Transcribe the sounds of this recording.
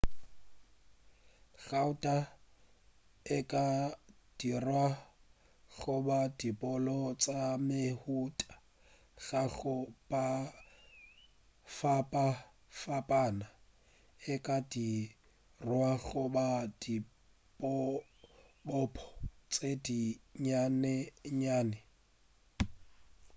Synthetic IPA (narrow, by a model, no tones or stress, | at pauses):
ɣaʊtʼa | ɪkʼa | d̥irwa | ɣʊbadipʼɔlɔt͡sʼamehutʼḁ | ɣ̥aɣʊpʼa | fapʼa | fapʼaːna | ɪkʼadi | rwaɣʊbad̥i | pʼɔ | bɔpʰɔ̥t͡sʼediɲanɛɲaːnɛ